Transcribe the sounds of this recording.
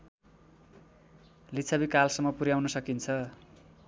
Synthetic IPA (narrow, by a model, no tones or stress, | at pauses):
lit͡sʰabikalsʌmːʌpuɾjawnʌsʌkint͡sʰʌ